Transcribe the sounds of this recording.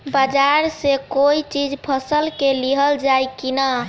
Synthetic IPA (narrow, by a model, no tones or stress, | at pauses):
bad͡ʒaɾsekoit͡ʃid͡ʒpʰəsəlkeliɦəld͡ʒajkina